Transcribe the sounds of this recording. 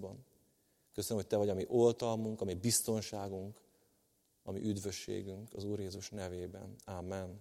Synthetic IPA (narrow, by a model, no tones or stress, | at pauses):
bɒn | køsønmhoc̚t̪ɛvɒɟɒmiʔo̞lt̪ɒlmuŋkɒmibist̪o̞nʃaːɡuŋk | ɒmḭʔyd̪vø̞ʃːḛːɡyŋkɒzuːrjeːzuʃnɛveːbɛ̰naːmːɛn